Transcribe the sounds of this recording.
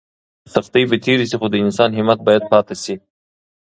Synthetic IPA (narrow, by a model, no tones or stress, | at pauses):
t̪ɐft̪ijbet̪ʰiɾisixod̪əɪnsɑːnɦɪmɐt̪̚bɑːjad̪̚pɑːt̪asi